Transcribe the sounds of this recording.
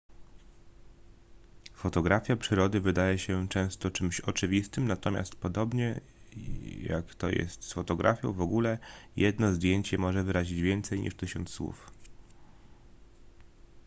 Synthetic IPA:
fɔt̪ɔɡɾafʲjapʂɘɾɔd̪ɘvɘd̪ajɛɕɛt͡ʂɛ̃w̃st̪ɔt͡ʂɘmɕɔt͡ʂɘvʲist̪ɘmnat̪ɔmʲa̰st̪pɔd̪ɔbɲɛ | ja̰kt̪ɔ̰jɛ̰st̪sfɔt̪ɔɡɾʔa̰fʲjɔ̰̃w̃vɔɡulɛjɛd̪nɔzd̪ʲjeɲt͡ɕɛmɔʐɛvɘɾaʑid͡ʑvʲjɛnt̪sɛjɲḭʂt̪ɘɕɔnt̪sswṵf

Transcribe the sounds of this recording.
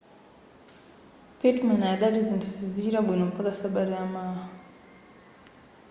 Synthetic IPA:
petmanaɗaɾid͡zintizizit͡ʃiɾaɓwinompakasaɓaɾiamaːɦa

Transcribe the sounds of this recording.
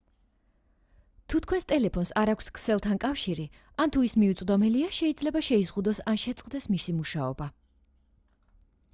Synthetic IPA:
t̪ʰut̪ʰkʰwɛnst̪ʼɛlɛpʰɔnsaɾakʷʰskʰsɛlˠt̪ʰankʼafʃiɾi | ant̪ʰuismiut̪sʼd̪ɔmɛliaʃɛid̪zlɛbaʃɛizʁud̪ɔsanʃɛt̪sʼqʼd̪ɛsmisimuʃaɔba

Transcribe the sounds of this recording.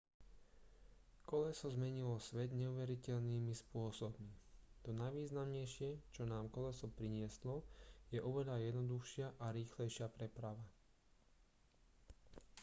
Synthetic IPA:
kɔlɛsɔzmɛɲilɔsʋɛd̪ɲɛuʋɛɾicɛʎniːmispʊɔsɔb̚mit̪ɔnajʋiːznamɲɛjʃɪɛt͡ʃɔnaːmkɔlɛsɔpɾiɲɪɛslɔjɛʔɔʋɛʎajɛd̪nɔd̪uxʃɪaʔaɾiːxlɛjʃɪapɾɛpɾaʋa

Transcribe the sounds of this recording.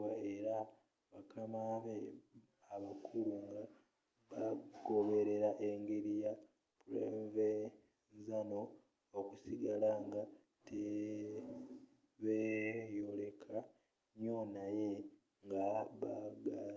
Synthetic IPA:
ae̞ɾa | βakʰamaβeː | βakʰuɾuŋɡa | βaɡo̞βe̞ɾe̞ɾaʔe̞ŋɡeɾija | pulemve | zano̞ | okusiɡalaŋɡa | te | βejo̞le̞kʰa | ɲo̞naje̞ | ŋɡaβaɡa

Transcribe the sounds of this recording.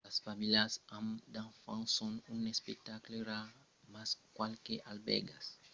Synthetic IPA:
asfamilasãmd̪ãfã̰ŋsõŋũnespek̚t̪akleɾa | maskwalkeʔalbɛ̰ɡas

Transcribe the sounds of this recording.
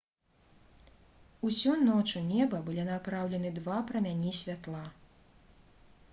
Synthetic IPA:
usʲunɔt͡ʂunʲɛbɐbɨlʲinapɾawlʲɛnɨd̪vapɾɐmʲanʲisʲvʲat̪lˠa

